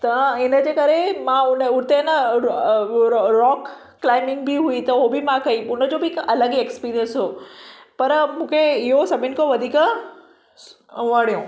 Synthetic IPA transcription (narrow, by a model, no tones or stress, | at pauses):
t̪ɐɪnəd͡ʑekɐɾemãʊnəʊɾt̪enə | ɾɔːkː | laːɪmɪ̃ŋɡ̚bɪɦuit̪ɐʊɦobɪmãkɐiʊnəd͡ʑobɪkɐləɡekspiːɾiənsɦoːpɐɾmũːkʰeɪɦosɐbʱɪnɪkoʋɐd̪ʱiːk | ʋɐɽ̤̃ijõː